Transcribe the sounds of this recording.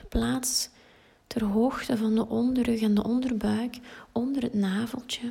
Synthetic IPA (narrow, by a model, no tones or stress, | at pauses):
plaːts | tʰɛrɦoːxtəvɑndəʔɔndərɵɣɛndəʔɔndərbœɥkɔndərɦətnaːvəlˠtə